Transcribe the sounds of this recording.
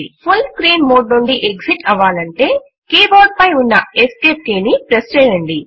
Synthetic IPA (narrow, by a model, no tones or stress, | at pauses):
pʰulskɾiːnmoːɖnoɳɖiʔeɡsiʈɐʋaːlɐɳʈe̞ː | keːboːɖ̚pɐjunːɐeskeːp̚keːnipɾest͡ʃɛːjɐɳɖi